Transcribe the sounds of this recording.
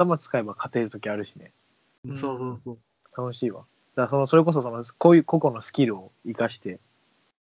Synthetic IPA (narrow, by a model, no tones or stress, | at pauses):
at̪amat͡sɨ̥kae̞bakʰat̪e̞ːɾɯ̟t̪o̞kʲiaɾɯ̟ɕine̞̰ | soːsoːo | t̪ano̞ɕiːβa̰ | d̪̥asono̞so̞ɾe̞ko̞s̬o̞so̞nokojɯ̟ko̞ko̞no̞sɨ̥kʲiɾɯ̟o̞ikaɕi̥t̪e̞